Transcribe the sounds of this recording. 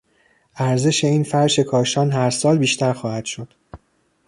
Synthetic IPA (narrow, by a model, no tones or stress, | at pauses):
ʔæɾze̞ʃe̞iːnfæɾʃe̞kʰɒːʃɒːnɦæɾsɒːlbiːʃt̪æɾxɒːhæd̪̥ʃod̪̥